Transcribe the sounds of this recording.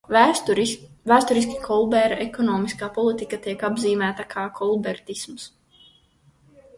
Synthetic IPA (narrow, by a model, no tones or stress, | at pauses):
væːst̪ɔɾis̬kʲi̥kʰɔlˠbɛɾaɛkɔnɔːmiskaːpɔlˠit̪ikat̪iɛkabziːmæːt̪akʰaːkʰɔlˠbɛɾt̪isms